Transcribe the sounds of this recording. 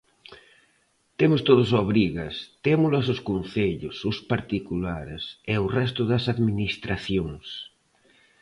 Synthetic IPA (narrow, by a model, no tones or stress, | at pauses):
t̪emʊst̪oð̞ʊs̬oβ̞ɾiɣast̪emulas̬oskonθeʎʊsʊspaɾt̪ikulaɾeseorɛs̬t̪ʊðasaðminist̪ɾaθjoŋs